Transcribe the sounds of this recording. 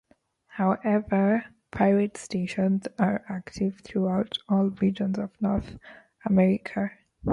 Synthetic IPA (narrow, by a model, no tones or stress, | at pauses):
haʊʔɛvəɹ | pʰaɪɹɛtsteːʃə̃nzaɹaktʰɪvθʰɹuaʊtʰɔːlɹid͡ʒɔ̃nzɔvnɔɹθ | amɛɹɪkʰa